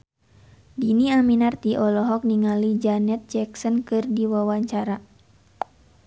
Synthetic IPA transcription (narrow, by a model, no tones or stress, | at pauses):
diniaminart̪iʔɔlɔɦɔk̚niŋalid͡ʒanɛt̪̚d͡ʒɛksɔnkɨrdiwawaɲt͡ʃaɾa